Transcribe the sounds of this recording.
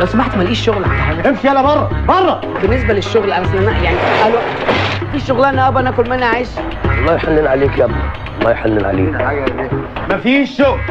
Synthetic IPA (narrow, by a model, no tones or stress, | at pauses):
læwsæmaħt̪mælʔiːʃːoɣlʕad̪ħaːɡæemfiælːæbɑrˤːɑbɑrˤːɑ | benːes̬bæleʃːoɣlʔæɾˤɑsnænæjaʕniʔælwæʔt̪fiːʃʃoɣlænæʔæbʔænækolmenːaʕeːʃ | lːɑjħalːelʕaleːkʔæb | mæjħalːelʕa̰lḛːʕajːæne | mæfiːʃːoɣl